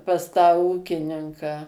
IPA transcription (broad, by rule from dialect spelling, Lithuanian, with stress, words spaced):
pɐs tɑː ˈuːkʲɪnʲɪŋkɑː